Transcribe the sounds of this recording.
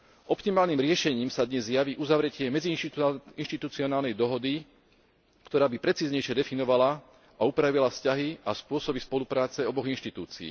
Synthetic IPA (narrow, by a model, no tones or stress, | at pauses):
ʔɔpt̪imaːlniːmɾɪɛʃɛɲiːmsad̪ɲɛzjaʋiʔuzaʋɾɛcɪɛmɛd͡ziinʃt̪it̪ut͡siɔnaːlnɛjd̪ɔɦɔd̪i | kt̪ɔɾaːbipɾɛt͡siːzɲɛjʃjɛd̪ɛfinɔʋala | ʔaupɾaʋilafscaɦiaspʊɔsɔbispɔlupɾaːt͡sɛɔbɔɣinʃt̪it̪uːt͡sḭː